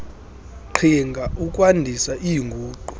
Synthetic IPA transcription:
ǃʰiŋɡʱaʔukʼwandʱisaʔijŋɡʱuːǃu

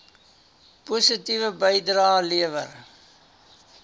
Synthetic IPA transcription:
pusətivəbəjdɾɑːliəvə̰r

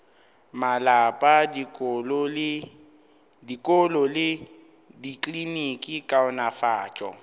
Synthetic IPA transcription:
malapʼadikʼɔlɔl | dikʼɔlɔlɪ | dikʼlinikʼikʼaʊnafaːt͡ʃʼɔ̰

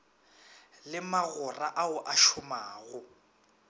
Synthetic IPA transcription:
lɪmaɣʊraʔaʊʔaʃʊmaːɣʊ

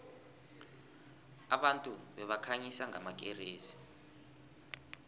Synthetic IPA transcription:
aɓantʼuɓɛɓakʰaɲisaŋʱamak̬ʼḛriːsi̥

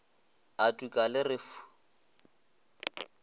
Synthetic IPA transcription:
atʼukʼalɪrɪfu̥

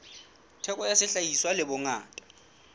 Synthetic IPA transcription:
tʰɛkʼɔjasɪɬajiswalɪbʊŋaːtʼḁ

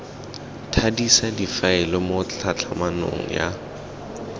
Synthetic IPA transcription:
tʰadisadifaɛlɔmot͡ɬʰat͡ɬʰamanʊ̰ŋ̩ja

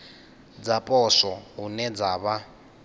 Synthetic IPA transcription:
d͡zapʼɔsɔɦunɛd͡zaːβa

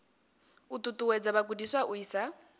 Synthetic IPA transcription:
ut̪ʼutʼuwɛd͡zaβakudiswaʔuiːsa

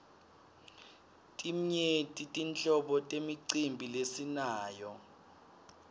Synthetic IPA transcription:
tʼim̩ɲetʼitʼint͡ɬʼɔɓɔtʼemiǀimbʱilesinaːjɔ

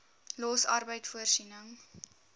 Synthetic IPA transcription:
lɔsɐrbəjtfuərsinəŋ

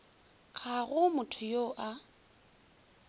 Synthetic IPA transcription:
k͡xʰaɣʊmʊtʰʊjoʔa

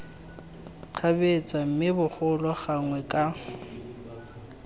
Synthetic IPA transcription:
k͡xʰabet͡sʼam̩mɪbʊχʊlwaχaŋwɛkʼa

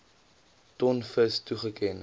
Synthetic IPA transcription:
tɔnfəstuχəkɛn

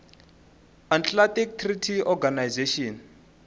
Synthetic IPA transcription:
ant͡ɬlatik̚tʰritʰiɔɡanajzeʃɔn

